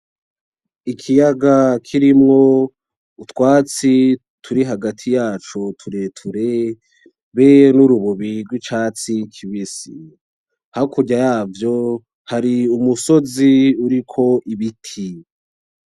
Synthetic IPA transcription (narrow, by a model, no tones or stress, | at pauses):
ikʰijaɡakʰiɾimŋo̞ | utwaːt͡si | tʰuɾiɦaɡatʰijaːt͡ʃotʰuɾe̞tʰuɾe | βenuɾuβuβiɾɡwit͡ʃaːt͡sikʰiβisḭ | hakʰuɟajaːvjo̞ | haɾiumuso̞ziuɾikʰo̞ʔiβitʰi